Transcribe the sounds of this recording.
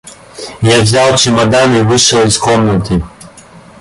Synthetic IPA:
javzʲalˠt͡ʃimad̪anivɨʃɔlˠiskɔmnɔt̪ʰi

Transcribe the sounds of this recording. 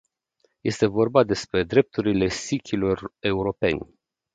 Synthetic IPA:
je̞st̪e̞vo̞rbad̪e̞spɾe̞d̪ɾe̞p̚t̪uɾile̞sikʲʰilo̞re̞uɾo̞pe̞̰nʲ

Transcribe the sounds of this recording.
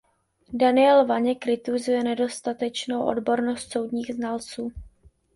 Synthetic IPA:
danɪɛlvaɲɛkɾɪt̪uzujɛnɛdo̞st̪at̪ɛt͡ʃno̞wʔo̞̰dbo̞ɾno̞st̪so̞wdɲiːɣznalt͡suː

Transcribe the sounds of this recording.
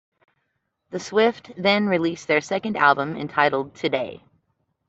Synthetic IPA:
ðɨswɪft̚ðɨ̃nɹilisðə˞sɛkɨ̃ndæ̰lˠbə̃mɨ̰̃ntʰaɪɾl̩ˠd̚tʰɨdeɪ

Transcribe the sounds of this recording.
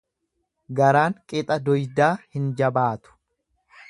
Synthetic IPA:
ɡɐɾaːŋkʼɪt̪ʼɐd̪ɔjd̪aːhɪnd͡ʒɐbaːt̪ʊ̥

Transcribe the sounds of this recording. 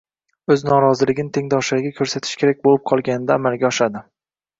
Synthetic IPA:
ɵznɒɾɒzɪlɪɡʲɪnɪt̪ʰe̞ŋd̪ɒʃaɾɡʲakʰɵɾsat̪ʰɪ̥ʃkʲʰe̞ɾak̚ʲbolɪp̚qʰɒlˠɡʲanɪd̪aːmalɡʲaɒʃad̪ɪ

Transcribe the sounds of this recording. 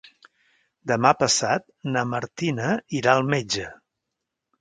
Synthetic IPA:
d̪əmapəsat̪̚nəməɾt̪inəiɾaəlˠmed͡ʒə

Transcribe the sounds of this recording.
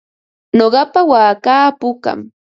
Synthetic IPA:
noɢɑpawaːkaːpʊka̰m

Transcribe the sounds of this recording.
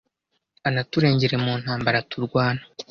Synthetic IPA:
anatuɾe̞ːɲɟe̞ɾe̞muːn̥haːmbaɾatuɾɡwaːna

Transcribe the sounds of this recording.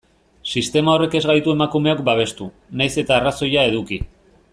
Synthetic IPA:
sist̪e̞mao̞re̞ke̞zɣajt̪ue̞makume̞akbaβ̞e̞st̪u | najse̞t̪aːraso̞jae̞ðuki

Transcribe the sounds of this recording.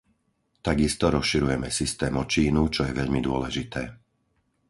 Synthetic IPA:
t̪aɡist̪ɔɾɔsʃiɾujɛmɛsist̪ɛːmɔt͡ʃiːnut͡ʃɔjɛʋɛʎmid̪ʊɔlɛʒit̪ɛː

